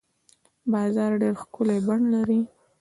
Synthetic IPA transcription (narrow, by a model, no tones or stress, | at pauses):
bɑzɑɾɖeɾxkʊlebaɳlaɾi